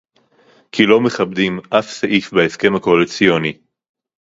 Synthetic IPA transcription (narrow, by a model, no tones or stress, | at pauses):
kʰilo̞meχabdimʔafsaʔifbeeske̞mhakoalit͡sioni